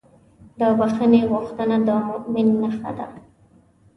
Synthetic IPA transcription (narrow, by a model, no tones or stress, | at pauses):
d̪əbaxəneɣʊxt̪ənad̪əmʊʔmɪnːəxa̰d̪a̰